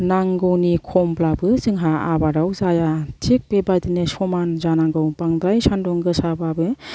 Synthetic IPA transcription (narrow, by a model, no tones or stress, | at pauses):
naŋɡɯwnikʰɔmblabɯzɯŋɦaabaɾawzajatʰik̚pebajdinɯsɔmanzanaŋɡɯwpaŋdajsandɔŋɡɯsababɯ